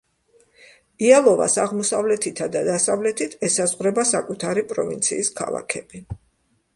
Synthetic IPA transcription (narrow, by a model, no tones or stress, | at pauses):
ialˠɔva̰saʁmɔsavlɛt̪ʰit̪ʰad̪ad̪asavlɛt̪ʰit̪ʰɛsazʁɾɛbasakʼut̪ʰaɾipʼɾɔ̰vḭnt̪sʰḭːskʰa̰lˠa̰kʰɛb̥i